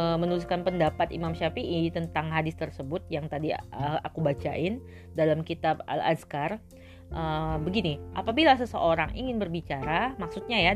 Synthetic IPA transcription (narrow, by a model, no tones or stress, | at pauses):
mənəluskanpəndapat̪ḭmamʃafiʔit̪ənt̪aŋɦadɪst̪ərsəbʊt̪̚jaŋt̪adiəa̰kubat͡ʃa̰ʔɪn | dalamkit̪aba̰la̰skar | ʔəbəɡiniʔapabilasəsə̰ʔoɾaŋʔḭŋɪnbərbit͡ʃaɾamaksut̪̚ɲaja